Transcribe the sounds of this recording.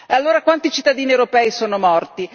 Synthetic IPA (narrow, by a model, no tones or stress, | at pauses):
ealːoːɾakwant̪it͡ʃit̪ːad̪iːniewɾopɛːisoːnomɔrt̪i